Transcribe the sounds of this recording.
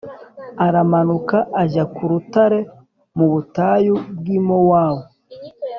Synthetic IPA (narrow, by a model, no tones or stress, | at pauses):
aɾamanukaʔːʒakuɾutaɾe̞ | muβutajub̚ɡimowaːwo